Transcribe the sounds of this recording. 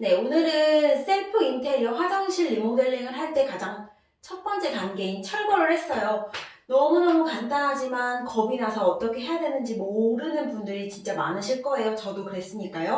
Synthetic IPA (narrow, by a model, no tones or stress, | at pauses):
ne̞onɯɾɯns͈e̞ɭpʰɯintʰe̞jʌɸwad͡ʑʌŋɕʰiɭːimoŋdweɭːiŋɯɾɦaɭt͈e̞kad͡ʑaŋ | t͡ɕʰʌt̚p͈ʌnt͡ɕ͈e̞kanɡe̞int͡ɕʰʌɭbʌɾɯɭhe̞s͈ʌjo | nʌmunʌmukandanɦad͡ʑimankʌbinasʰʌːt͈ʌkʰe̞ɦe̞jadwe̞nɯnd͡ʑimoɾɯnɯnpundɯɾit͡ɕint͡ɕ͈ama̰nɯɕʰiɭk͈ʌe̞jot͡ɕʌdokɯɾe̞s͈ɯɲik͈ajo